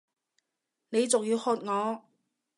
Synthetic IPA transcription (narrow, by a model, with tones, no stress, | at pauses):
ne˨˧jt͡sʊ˨ŋji˨˧whɔː˧t̚ŋɔː˨˧